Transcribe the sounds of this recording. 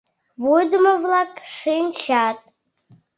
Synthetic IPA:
vʊdmavlakʼʂijnt͡ʃʰatʼ

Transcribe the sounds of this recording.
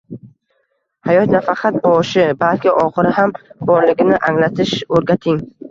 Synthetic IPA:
hajɒt̪nafaqʰɑt̪̚bɒʃɪbalkʲɪʔɒχɨɾɪhambɒɾlɪɡʲɪnɪʔaŋlat̪ʰɪʃɵɾɡʲat̪ʰɪŋ

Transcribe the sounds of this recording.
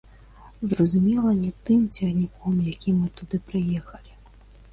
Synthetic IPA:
zrɐzumʲɛlˠɐnʲɛt̪ɨmt͡sʲɛɣnʲikʰɔmjakʲimɨt̪ud̪ɨpɾɨjɛxɐlʲi

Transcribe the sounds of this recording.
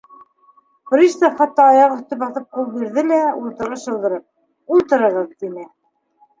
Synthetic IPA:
fɾiʃt̪ɑχɑt̪ːɑːjɑʁɵ̆θt̪ɵbɑθɤp̚qulˠbiɾðɘlæulˠt̪ɤ̆ɾɤʃɤ̆lˠd̪ɤ̆ɾɤp̚ | ulˠt̪ɤ̆ɾɤ̆ʁɤðt̪inɘ

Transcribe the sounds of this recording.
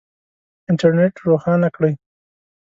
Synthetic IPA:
ɪɳʈaɾneʈɾoxɑnakɽəj

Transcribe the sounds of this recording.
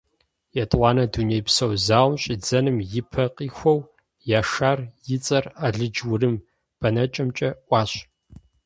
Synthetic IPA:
jɛtʼʷɑːnɐdunejpsɐwzaːʁʷmɕʼɪd͡zɐnɨmjɪpʰɐqiːxʷɔw | jaːʂaːrjɪt͡sʼɐraɮɨd͡ʒwʊrɨm | b̥ɐnɐt͡ʃʼɐmt͡ʃʼɐʔʷɑːɕ

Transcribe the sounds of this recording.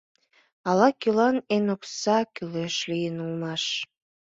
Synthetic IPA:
ɑlɑkylɑnenoksɑkyløʃlijənulmɑʃ

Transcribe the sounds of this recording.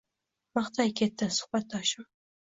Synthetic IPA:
mɑχt̪ʰɑjkʲʰet̪ːɪnsʊ̥hbat̪̚d̪ɒʃɪm

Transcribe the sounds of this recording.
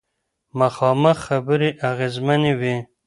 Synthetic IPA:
maxɑməxːabəɾiʔaɣezmanewi

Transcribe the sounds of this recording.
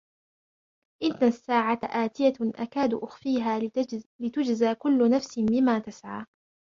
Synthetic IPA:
ʔɪnːasːaːʕaʔaːt̪ɪjaʔakaːd̪ʔʊxfiːɦaːlɪt̪ʊd͡ʒzaːkʊlːʊnafsɪmɪmːaːt̪asʕaː

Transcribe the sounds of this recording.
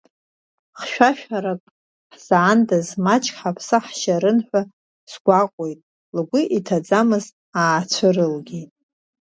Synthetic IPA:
χʃᶣʷaʃᶣaɾakʼ | ħz̥ʕandazmat͡ʃʰʼkʰʲʼħapʰsɨħʃaɾɨnħʷᶣa | sɡʷaqʷʼo̞jtʼ | lɡʷʊʔitʰad͡zamɨz | aːt͡sʷʰɨrɨlɡʲejtʼ

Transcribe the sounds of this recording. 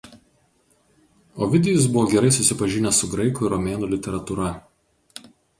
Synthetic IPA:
oːʋʲɪd̪ʲɛjʊsbʊʋoːɡʲɛɾɐɪsʊsʲɪpɐʒʲɪnʲɛsʊɡɾɐɪkʊɪɾɔmʲeːnuːlʲɪt̪ʲɛɾɐt̪uɾɐ

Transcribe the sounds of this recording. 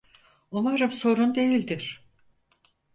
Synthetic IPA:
onˠaɾɯmso̞ɾund̪e̞jilʲd̪iɾ̥

